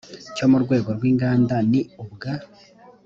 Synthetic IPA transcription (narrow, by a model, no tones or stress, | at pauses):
co̞muɾɡwe̞ːɡo̞ɾɡwiːŋɡaːndaniubɡa